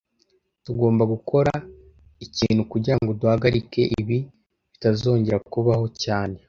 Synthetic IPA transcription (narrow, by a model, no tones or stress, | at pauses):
tuɡo̞ːmbaɡukʰo̞ɾa | iciːn̥hukuɟiɾaŋɡo̞duhaɡaɾike̞ʔiβi | βitazo̞ːɲɟe̞ɾakuβaɦo̞caːne̞